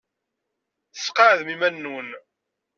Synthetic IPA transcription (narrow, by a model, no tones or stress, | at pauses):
θəsqɑʕðmimænːun